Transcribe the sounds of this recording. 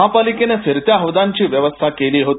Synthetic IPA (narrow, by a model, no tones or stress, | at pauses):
ɦãpalikenesiɾt̪jaɦəʋd̪aɲt͡ɕiːʋjəʋəst̪ʰakeliːɦot̪